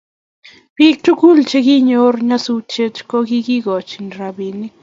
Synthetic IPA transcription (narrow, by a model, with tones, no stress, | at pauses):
pi˦k̚tu˦ku˦lt͡ʃe˦ki˦ɲo˦rɲa˦su˦t͡ʃe˦t͡ʃkɔ˦ki˦ki˦kɔ˨t͡ʃi˨nɾa˨bi˨nɪ˦k